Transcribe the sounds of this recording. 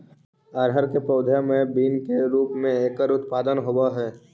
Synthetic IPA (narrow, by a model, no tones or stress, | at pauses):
əɾɦəɾkepɾəːʊd̪ʱjamẽbiːnkeɾuːpmẽeːkəɾʊt̪paːd̪ənɦoːwaɦɛː